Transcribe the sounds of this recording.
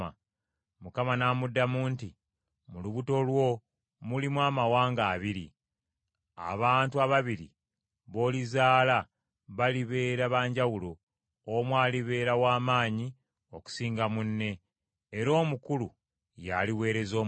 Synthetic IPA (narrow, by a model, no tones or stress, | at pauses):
a | mukamanamudːamuːnti | muluβuto̞lwo̞ | mulimwaːmawaːŋɡaːβiɾḭ | a̰βaːntuaβaβiɾḭ | βo̞ːlizaːla | βaliβe̞ːɾaβaːɲɟawulo | omwaːliβe̞ːɾawaːmaːɲi | o̞ku̥siːŋɡamunːe̞ː | ɾo̞ːmukulu | ja̰liwe̞ːɾe̞zo̞ː